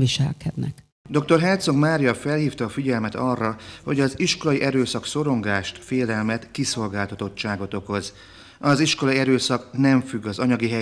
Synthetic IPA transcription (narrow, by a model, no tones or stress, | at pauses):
viʃɛ̰lkʰɛd̪nɛ̰k | d̪o̞k̚t̪o̞rɦɛrt̪so̞ɡmaːɾijɒfɛlɦiːft̪ɒːfiɟɛlmɛt̪ɒrːɒho̞ɟɒziʃko̞lɒjiʔɛɾøːsɒkso̞ɾo̞ŋɡaːʃt̪feːlɛlmɛt̪kiso̞lɡaːlt̪ɒt̪o̞tt͡ʃaːɡo̞t̪o̞ko̞z | ɒziʃkolɒjiɛɾøːsɒknɛɱfyɡːɒzɒɲɒɡiɦɛ